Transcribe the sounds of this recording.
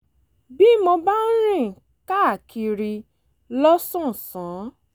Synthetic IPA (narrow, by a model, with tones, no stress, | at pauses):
bi˦mɔ̃˧ba˦n̩˦ɾ̃ĩ˦˨ | ka˦˨ki˧ɾi˧ | lɔ˦sɔ̃˦˨sã˨˦